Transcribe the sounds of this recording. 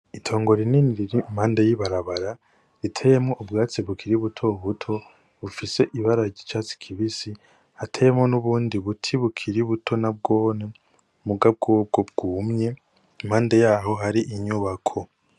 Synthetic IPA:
itʰo̞ːŋɡo̞ɾininiɾiɾimhaːndejiβaɾaβaɾa | ɾitʰeje̞mŋo̞ʔubɡaːt͡siβukʰiɾiβutʰo̞βutʰo̞ | βufise̞ʔiβaɾaɟit͡ʃaːt͡si̥kʰiβisi | hatʰeje̞mŋo̞nuβuːndiβutʰiβukʰiɾiβutʰo̞nab̚ɡo̞ːne | muɡab̚ɡoːb̚ɡob̚ɡuːmɲe̞ | imhaːndejaːɦo̞ɦaɾiʔiɲuβakʰo̞

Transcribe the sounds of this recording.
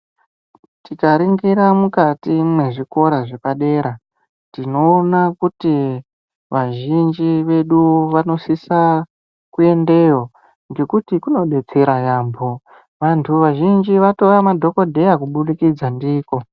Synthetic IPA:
tikaɾiŋɡiɾamukatimwe̞ʐiko̞ɾaʐepaɗe̞ːɾa | ntino̞ːnakuti | ʋaʒind͡ʒiʋe̞ɗuʋano̞sisa | kue̞nde̞jo̞ | ŋɡe̞kutikuno̞ɗe̞t͡se̞ɾajaːmbʱo | ʋantʰuʋaʒind͡ʒiʋato̞ramadʱo̞ko̞dʱe̞jakuɓuɗikid͡zandiːko̞

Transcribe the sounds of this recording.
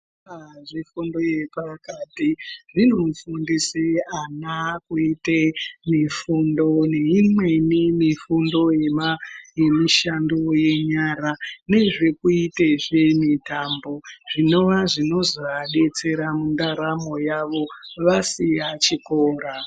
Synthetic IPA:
aʐifundo̞je̞pakatiʐinomfundiseanakuitemifundo̞ne̞imwe̞nimifundo̞jemaje̞miʃandoje̞ɲaɾane̞ʐe̞kuiteʐemitaːmbo̞ʐ̥ino̞ʋaʐino̞zoaɗe̞t͡se̞ɾamundaɾamo̞jaʋo̞ʋasijat͡ʃikoːɾa

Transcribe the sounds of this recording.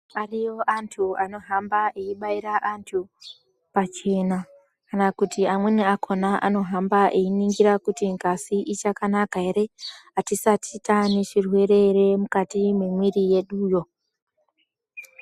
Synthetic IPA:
arijo̞ʔantʰuano̞ɦambaʔeiɓaiɾaʔantʰu | pat͡ʃe̞na | kanakutiamweniakʰo̞naʔa̰no̞ɦambaʔeiniŋɡiɾakutiŋɡʱasiʔit͡ʃakanakae̞ɾe̞atisatitane̞ʃirwe̞ɾe̞re̞mukatime̞mwirije̞ɗuːjo̞

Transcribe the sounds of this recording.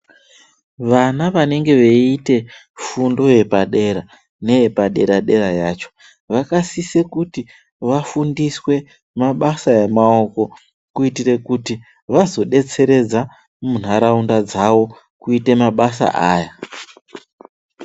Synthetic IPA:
ʋanaʋane̞ŋɡe̞ʋeite̞ | fundo̞je̞paɗe̞ɾa | ne̞je̞paɗe̞ɾaɗe̞ɾajaːt͡ʃo̞̥ | ʋakasise̞kuti | ʋafundiswe̞ | maɓasajemao̞ko̞ | kuitire̞kuti | ʋazo̞ɗe̞t͡se̞ɾe̞d͡za | mun̤aɾaundad͡zaʋo̞ | kuitemaɓasa̰ʔaːja

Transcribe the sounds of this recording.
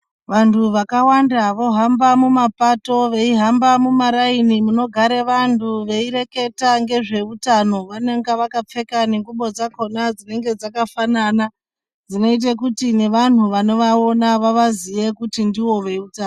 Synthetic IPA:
ʋantʰuʋakawandaʋo̞ɦambamumapato̞ʋe̞iɦambamumaɾainimuno̞ɡʱaɾeʋantʰuʋe̞iɾe̞ke̞taŋɡe̞ʐe̞utano̞ʋaneŋɡaʋakap͡fe̞kaneŋɡuɓo̞d͡zako̞nad͡zine̞ŋɡe̞d͡zakafanana | d͡zino̞it̬ekutine̞ʋan̤uʋano̞ʋao̞naʋaʋazije̞kutindiwo̞ʋe̞utan

